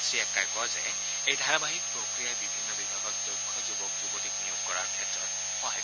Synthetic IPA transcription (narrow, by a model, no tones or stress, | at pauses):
sɹiɛkːajkɔzɛ̰ | ejdʱaɹabaɦik̚pɹokɹijajbibʱinːɔbibʱaɡɔk̚zokʰːɔzubɔkzubodʱiknijɔɡkɔɹaɹkʰɛtɹɔ̰t | xɔɦaj